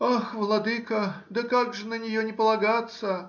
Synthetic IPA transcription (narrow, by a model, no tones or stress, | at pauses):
axvlˠɐd̪ɨkəd̪əkaɡʐɨnənʲɪjonʲɪpəlˠɐɡat̪sə